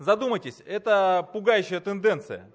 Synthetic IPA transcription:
zɐd̪uməjtʲɪsʲɛt̪əpʊɡajʉɕːɪjət̪ɨnd̪ɛnt̪sɨjə̰

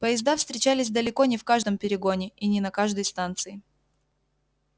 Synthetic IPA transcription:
pəjɪzd̪afst̪ɾʲɪt͡ɕælʲɪsʲd̪əlʲɪko̞nʲɪfkaʐd̪əmpʲɪɾʲɪɡo̞nʲɪʔinʲɪnɐkaʐd̪əjst̪ant̪sɨɪ

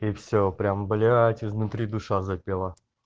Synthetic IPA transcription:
ifsʲopɾʲambəlʲɪvajət̪ʲɪzvnʊt̪ɾʲid̪uʂazapʲelˠə

